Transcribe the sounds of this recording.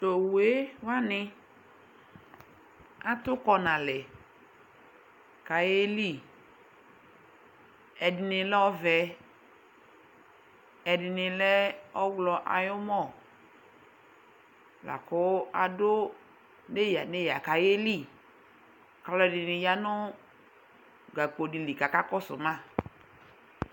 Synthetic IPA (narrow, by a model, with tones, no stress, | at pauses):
t̪o˨we˦wa˦nɪ˦ | a˦t̪ʊ˦kɔ˨nã˨lɛ˨ | ka˨je˦li˦˨ | ɛ˨dɪ˨nɪ˨lɔ˦vɛ˨ | ɛ˨dɪ˨nɪ˨lɛ˦ɔ˦ɡlɔ˨ʔa̰˨jʊ˦mɔ˦˨ | la̰˨kʊ˦a˨do˦ | ne˦ja˨ne˦ja˨ka˨je˦li˦˨ | ka˨lɔ˨ɛ˨dɪ˨nɪ˨ja˦nʊ˦ | ɡa˨ko˨di˨li˨ka˨ka˦kɔ˦sʊ̰˨mã˦˨